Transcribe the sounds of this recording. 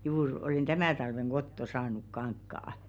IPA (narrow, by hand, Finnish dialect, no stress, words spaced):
juːr oleˑn tæmæˑ tɑlʋeŋ ɡ̊otːo sɑːnuk kɑŋkːɑː